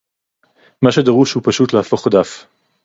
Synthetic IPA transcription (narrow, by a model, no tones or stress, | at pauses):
maʃed̪aʁuʃhupaʃut̪laːfo̞χad̪af